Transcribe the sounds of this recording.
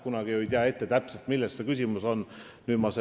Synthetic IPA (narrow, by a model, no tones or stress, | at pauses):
kunɑɡ̥iojt̪eɑe̞t̪ːe̞t̪æpselt̪milːesse̞kys̬ʲimuso̞n | nyːmɑse